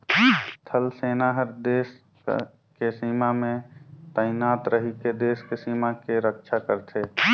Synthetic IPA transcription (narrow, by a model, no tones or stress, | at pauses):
t̪ʰəlseːnaɦəɾd̪eːs | kesiːmamẽt̪əɪnaːt̪ɾəɦiked̪eːskesiːmakeɾəkʃʰakəɾt̪ʰe